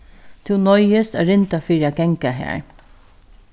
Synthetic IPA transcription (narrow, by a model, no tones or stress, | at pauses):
t̪ʰɪwnɔjɪst̪a̰ːɾɪnt̪afiːɾiaɡɛŋkaɦæ̰ːɹ